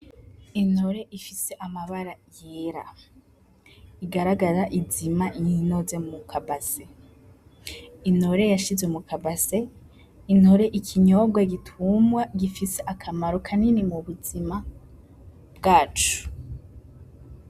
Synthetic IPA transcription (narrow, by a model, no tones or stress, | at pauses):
inoɾe̞ʔifise̞ʔamaβaɾajeɾa̰ | iɡaɾaɡaɾaʔizimaɲnozemukʰabase | ino̞ɾe̞jaʃizɡwemukʰabase̞ | inho̞ɾe̞ʔikʰiɲobɡwaɡitʰumɡwaɡifise̞ʔakʰamaɾokʰaninimuβuzima | b̚ɡaːt͡ʃu̥